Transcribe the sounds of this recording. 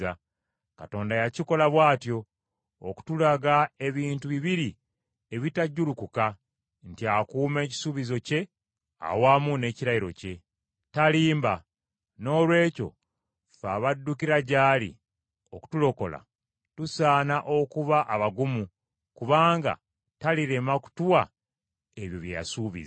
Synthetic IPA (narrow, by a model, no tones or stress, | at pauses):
a | kato̞ːndajaciko̞laβwaːtjo̞̰ː | ku̥tulaɡae̞βiːntuβiβiɾi | e̞βitaɟːulukuka | ntiakuːme̞ːci̥suβizo̞ce̞ | a̰wamune̞ːciɾajiɾo̞̰ce̞ | taliːmba | no̞ːlwe̞ːco̞̰ | faːβadːukiɾaɟaːlḭ | oku̥tulo̞ko̞̰la̰ | tusaːnaʔo̞kuβaʔaβaɡumu | kuβaːŋɡa̰ | taliɾe̞maku̥tuwa | eβjoβja̰suːβḭza